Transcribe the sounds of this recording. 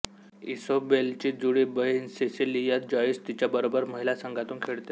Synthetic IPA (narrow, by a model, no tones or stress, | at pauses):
ḭsobelt͡ɕiːd͡zuɽiːbəɦinsesilijat̪̚d͡ʑaid͡zt̪it͡ɕjabəɾobəɾməɦilasəŋɡʱat̪uːnkʰeɭt̪e